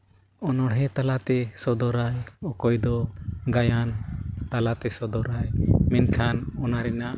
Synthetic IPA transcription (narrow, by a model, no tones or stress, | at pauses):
ɔnɔɽɦɛt̪alat̪ɛsɔd̪ɔɾajɔkɔjd̪ɔɡajant̪alat̪ɛsɔd̪ɔɾajmɛnkʰanɔnaɾɛnaʔ